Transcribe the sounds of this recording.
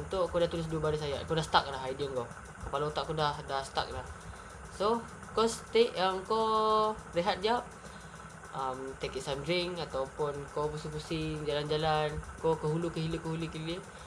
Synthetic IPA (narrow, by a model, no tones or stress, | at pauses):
unt̪ʊʔkodaht̪ulɪs̬duəbaɾis̬aja̰ʔkodahsə̥t̪ak̚laɦaidiəŋko | kəpalaut̪aʔkodahdahsə̥t̪a̰k̚lah | so | kɔst̪eʔjaŋko | ɾeɦat̪̚d͡ʒap̚ | əmt̪ekiʔsamdɾɪŋat̪awpʊnkopusipusɪŋd͡ʒaland͡ʒalankokəɦulukəɦiləkəɦulukəɦilə